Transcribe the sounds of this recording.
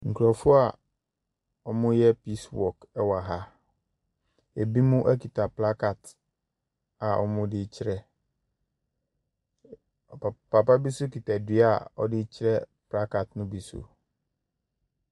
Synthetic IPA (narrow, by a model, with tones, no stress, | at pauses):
ŋ̩˨kʰu˨ɾɔ˨fʊ˦a˨ | ɔ˨mʊ̃˦jɛ˦pi˦swɔ̰˨kɛ˦wa˨ɦa˦ | e˨bi˦mũ˦ʔæ˦kʰi˨tʰa˨pla˦ka˨t | a˨ʔɔ̰˨mʊ̃˦dɪ˦t͡ɕʰɪ˦ɾɛ˦˨ | pʰa˨pa˦bi˦sʊ˦ki˨ta˨dɪ˦a˨ɔ˦dɪ˦t͡ɕʰɪ˦ɾɛ˦pla˦ka˨tnʊ̃˦bi˨sṵ˨